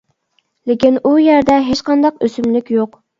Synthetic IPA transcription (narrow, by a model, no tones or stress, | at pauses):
lɪkʲinujæɾd̪ɛɦet͡ʃqɑnd̪ɑqøsymlykʲjoq